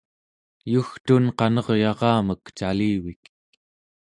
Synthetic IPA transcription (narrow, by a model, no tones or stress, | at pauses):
juxt̪unqɑnʌʁjɑʁɑːməkt͡ʃaliːwik